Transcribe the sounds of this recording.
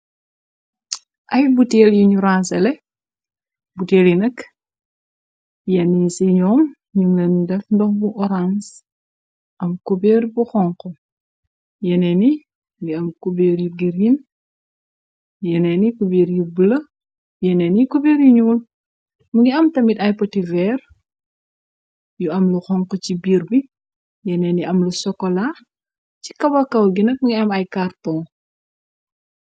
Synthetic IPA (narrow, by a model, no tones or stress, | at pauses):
ʔɐjbuteːljiɲuɾansɛlɛ | buteːljinɐk | jɐnisiɲɔːm | ɲuŋɡɐndɛfndɔxbuʔɔɾans | ʔɐmkobeːrbuxɔŋkɔ | jɛnɛni | ɡiɐmkubeːɾjiɡiɾjin | jɛnɛnikubeːɾjibəlɐ | jɛnɛnikubeːɾjiɲuːl | muŋɡiɐmtɐmitɐjpɔtivɛr | juɐmluxɔŋqɔcibiːɾbi | jɛnɛniʔɐmlusɔkːɔla | ci̥kɐbɐkɐwɡinɐk̚muŋɡiɐmɐjkartɔ